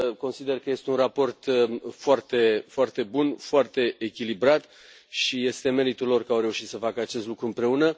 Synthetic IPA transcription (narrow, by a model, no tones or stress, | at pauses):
ko̞nsid̪erkəje̞st̪e̞unrapo̞rt̪foart̪e̞foart̪e̞bunfoart̪e̞ʔːkʲilibɾat̪ | ʃije̞st̪e̞me̞ɾit̪ullo̞rkəawre̞uʃit̪səfakəat͡ʃe̞st̪lukɾuɨmpɾe̞unə